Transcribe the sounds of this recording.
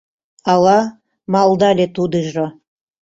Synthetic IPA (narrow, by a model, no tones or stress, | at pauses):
ɑlɑ | mɑlˠd̪ɑlʲet̪ud̪ɨʒo